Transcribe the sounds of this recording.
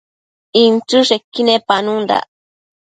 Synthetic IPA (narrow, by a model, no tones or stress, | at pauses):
int͡ʃuʂekːinepanund̪a̰